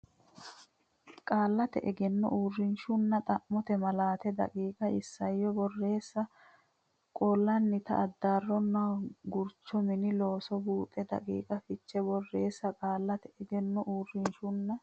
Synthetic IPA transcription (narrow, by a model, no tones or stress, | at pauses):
kʼaːlːɐt̪ɛ̰ʔɛɡɛnːɔ̰ʔuːrːɪnʃʊnːɐt̪ʼɐʔːɔt̪ɛmɐlaːt̪ɛd̪ɐ̰kʼiːkʼɐʔɪsːɐjːɔbɔrːe̞ːsːɐ | kʼɔlːɐnːɪt̪ɐ̰ʔɐd̪ːaːrːɔnːɐɡʊɾt͡ʃːɔmɪnɪlo̞ːsɔbuːt̪ʼɛd̪ɐ̰kʼḭːkʼɐfɪt͡ʃːɛbɔrːe̞ːsːɐkʼaːlːɐt̪ɛɛɡɛnːɔʔuːrːɪnʃʊnːɐ